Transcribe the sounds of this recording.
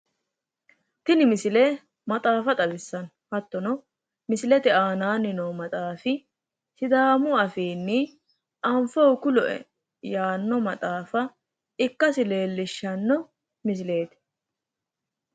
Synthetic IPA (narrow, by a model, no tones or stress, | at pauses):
t̪ɪnɪmɪsɪleː | mɐt̪ʼaːfɐt̪ʼɐbɪsːɐn | hɐt̪ːɔnɔ | mɪsɪlɛt̪ɛaːnaːnɪnɔmɐt̪ʼaːfɪ | sɪd̪aːmʊɐfiːnːɪ | ʔɐɱfɔwkʊlɔʔɛ̰ | jaːnːɔmɐt̪ʼaːfɐ | ɪkːɐsɪle̞ːlːɪʃːɐnːɔ | mɪs̬ɪle̞ːt̪ɪ̥